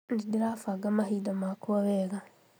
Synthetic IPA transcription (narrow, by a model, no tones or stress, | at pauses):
ndidiɾafaɡamahidamakuaβɛɣa